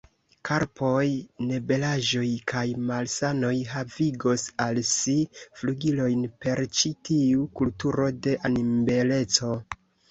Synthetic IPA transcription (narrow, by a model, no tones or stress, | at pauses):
kʰaɾpo̞jne̞be̞laʒo̞jkʰajmalsano̞jɦaviɡo̞salsifluɡilo̞jnpe̞ɾt͡ʃitʰiukultuɾo̞de̞ʔanimbele̞t͡so̞